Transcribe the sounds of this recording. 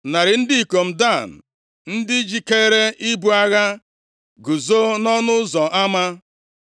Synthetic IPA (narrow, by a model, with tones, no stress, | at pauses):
na˨ɾɪ˨n̩˦dɪ˦i˨ko˨m̩˨da˦˨n̩˨ | n̩˦dɪ˦d͡ʒi˨ke˦ɾe˦ʔi˦bu˦a˦ɣa˦ | ɡu˨zo˦nɔ˦nʊ˦zɔ˨ʔa˦ma˦